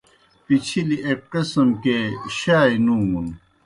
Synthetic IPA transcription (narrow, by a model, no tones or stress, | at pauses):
pit͡ɕʰiliʔep̚kɐsɐmkeɕaːinuːmun